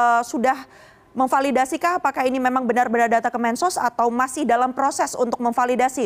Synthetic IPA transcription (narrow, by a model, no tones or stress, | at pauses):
sudah | məŋfalidasikaapakainimemaŋbənarbənardat̪akəmɛnsɔsat̪awmasɪhdalampɾosɛsṵnt̪ʊk̚məŋfalidasi